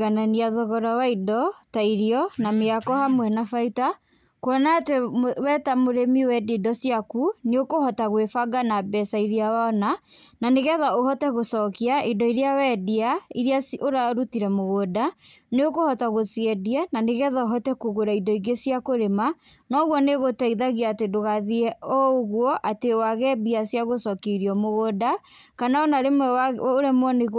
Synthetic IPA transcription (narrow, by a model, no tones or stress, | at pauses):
ɣananiaðɔɣɔɾawaidɔtaiɾiɔnameakɔhamwɛnafaita | koɔnatewɛtamoɾemiwɛdedɔsjakuneokohɔtaɣwefaɡanabɛsaiɾiawaɔna | naneɣɛðaohɔtɛɣosɔkiaidɔiɾeawɛdiaiɾiasoɾaɾutiɾɛmoɣodaneokohɔtaɣosiɛdiɛnaneɣɛðaoɦɔtɛkuɣoɾaidɔiɡesjakoɾema | nɔɣwɔneɣotɛiðaɣiaːtedoɣaðiɛɔɣwɔʔatewaɣɛbiasjaɣosɔkeɾiɔmoɣoda | kanaɔnaɾemwɛaoɾemwɔneɣ